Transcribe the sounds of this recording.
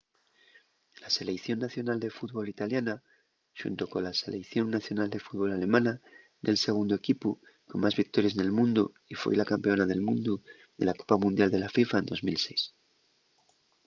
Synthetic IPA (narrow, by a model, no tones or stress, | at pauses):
lase̞lekθjonːaθjo̞nald̪e̞fut̪βo̞lit̪aljana | ʃṵnt̪o̞ko̞nlase̞lekθjo̞ŋnaθjo̞nald̪e̞fut̪βo̞lale̞mãna | nelse̞ɣ̞und̪oe̞kipu | ko̞nmazβik̚t̪o̞ɾjas̬nelmũnd̪u | ifwḛlakampe̞o̞naðe̞lmũnd̪u | ðe̞lako̞̥pamũnd̪jald̪e̞lafifaend̪o̞zmilse̞js